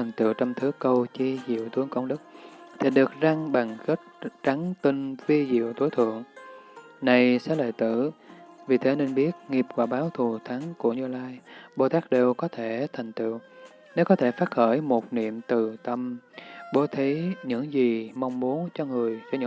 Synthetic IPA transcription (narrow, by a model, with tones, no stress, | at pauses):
a˨˩ŋ̟t̪ḭ˧˨əwt͡ɕɔ˧wŋ͡mt̪ʰɨ˨˦kə˧wt͡ɕi˧zḭ˧˨əwt̪ʰɨ˨˦əŋkə̰˧˩wŋ͡mɗɨ˦˥k̚t̪ʰi˨˩ɗɨ˨˩ək̚za˧ŋɓa˨˩ŋɣə˦˥t̚t͡ɕa˨˦ŋt̪i˧ŋvi˧zḭ˧˨ə˨wt̪o˨˦jt̪ʰɨ̰˧˨əŋ | na˨˩jsɛ̰˧˥lḛː˧˨jt̪ɨ̰˧˩vi˨˩t̪ʰe˨˦ne˧nɓi˦˥ət̚ŋi˨˩əp̚vaː˨˩ɓaː˨˦wt̪ʰu˨˩t̪ʰa˨˦ŋku˧˩əɲɨ˧laː˧jɓo˧˩t̪aː˦˥k̚ɗe˨˩wkɔ˨˦t̪ʰe˧˩t̪ʰa˨˩jŋ̟t̪ḭ˧˨əw | ne˨˦kɔ˨˦t̪ʰe˧˩faː˦˥t̚xəː˧˩jmo˨˩t̚nḭ˧˨əmt̪ɨ˨˩t̪ə˧mɓo˨˦t̪ʰi˨˦ɲɨ̰˧˥ŋzi˨˩ma˧wŋ͡mmu˨˦ənt͡ɕɔ˧ŋɨ˨˩əjfaː˧˩jɲɨ̰˧˥